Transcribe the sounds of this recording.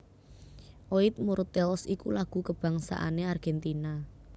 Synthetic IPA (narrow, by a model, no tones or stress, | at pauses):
ʔoit̪̚muɾt̪ɛlsikulaɡ̥ṳkəb̥ä̤ŋsa̰ʔa̰nearɡ̥ɛnt̪ina